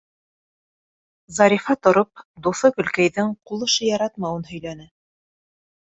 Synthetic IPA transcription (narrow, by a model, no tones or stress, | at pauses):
zɑɾʲifɑt̪ŏɾop̚d̪uθɤkɵ̆lkæjðɘŋqulˠɤ̆ʃɤjɑɾɑt̪mɑwɤnhɵ̆jlænɘ